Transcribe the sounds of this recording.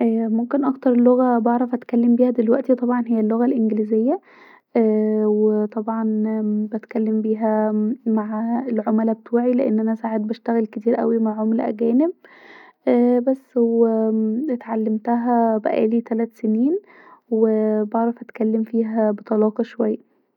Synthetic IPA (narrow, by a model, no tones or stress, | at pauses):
ʔæːmomkenʔɑkt̪ɑɾˤelːoɣæbeʕɾˤɑfʔæt̪kælːembiːhæd̪elwæʔt̪it̪ˤɑbʕɑnɦejːælːoɣælʔenɡlizejːæ | wet̪ˤɑbʕɑnbæt̪kælːembiːɦæmaʕelʕomælæbt̪ʰuːʕileʔenːʔænæsaːʕed̪̚bæʃt̪æɣælket̪iːɾʔæ̰wimaʕʕomlæ̰ʔæ̰ɡæːneb̚ʔæbæsːwet̪ʕalːemt̪æɦæbæ̰ʔæ̰ːlit̪ælæt̪seniːn | webeʕɾˤɑfʔæt̪kælːemfiːɦæbet̪ˤɑlɑːqɑʃowæjːæ